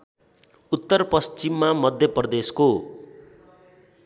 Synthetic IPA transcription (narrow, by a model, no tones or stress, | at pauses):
ut̪ːʌrpʌst͡ʃimːamʌd̪ʱjʌprʌd̪esko